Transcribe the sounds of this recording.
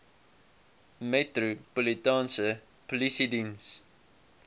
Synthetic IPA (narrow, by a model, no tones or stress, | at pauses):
mɛtɾopolitɑ̃ːnsə | polisidĩns